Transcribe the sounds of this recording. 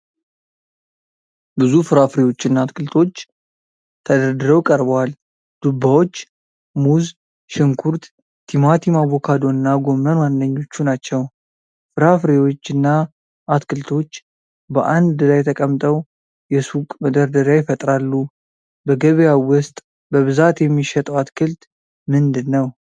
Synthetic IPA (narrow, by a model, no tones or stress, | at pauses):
bɨzufɨɾafɾewo̞t͡ʃːɨnːaːt̪kʰɨlt̪ʰo̞t͡ʃː | t̪ʰəd̪əɾd̪ɨɾəwkʼəɾbwal | d̪̥ubːawo̞t͡ʃː | muz | ʃɪŋkʰuɾt̪ | t̪ʰimat̪ʰimaβokʰad̪o̞ɾɨnːaɡo̞mənwanːəɲːo̞t͡ʃːunat͡ʃːɛw | fɨɾafɾewo̞t͡ʃːɨnːa | ʔat̪kɨlt̪ʰo̞t͡ʃː | bəʔand̪lajɛt̪ʰəkʼəmt̪ʼəw | jɛsukʼməd̪əɾd̪əɾjajɪfət̪ʼɾalːu | bəɡəβjawʊst̪ʼ | bəβɨzat̪jɛmːiʃɛt̪ʼəwat̪kʰɨlt̪ | mɨnd̪ɨnːəw